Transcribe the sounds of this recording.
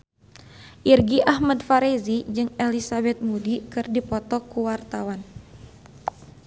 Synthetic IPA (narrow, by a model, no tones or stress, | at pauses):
ʔirɡiʔahmadfaɾezid͡ʒɨŋelisabɛt̪̚mudikɨrdipɔt̪ɔkuwart̪awan